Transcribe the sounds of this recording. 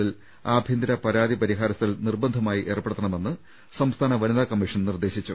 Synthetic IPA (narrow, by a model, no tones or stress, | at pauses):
il | aːbʱjind̪iɾɐpɐɾaːðipɐɾiɦaːɾɐsɐlnirbɐnd̪ʱɐmaːjiʔe̞ːrpːeɽut̪ːɐɳɐme̞nːɨ | sɐmst̪ʰaːnɐʋɐniðaːkɐmːiʂɐnnird̪e̞ɕit͡ɕːu